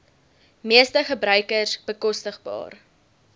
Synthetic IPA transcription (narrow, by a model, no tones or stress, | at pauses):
miəstəχəbɾœɥkərsb̥əkɔstəχbɑ̰ːr